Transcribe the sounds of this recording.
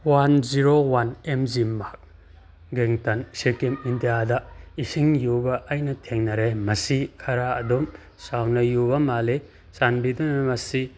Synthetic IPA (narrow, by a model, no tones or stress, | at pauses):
wanziɾowanemzimak̚ | ɡeŋtɐnsiɾkemindijadɐisiŋjubɐʔːjnɐtʰeŋnɐɾemɐsikʰɐɾaɐ̰dum | sawnɐjubɐmale | sanbidunɐmɐsi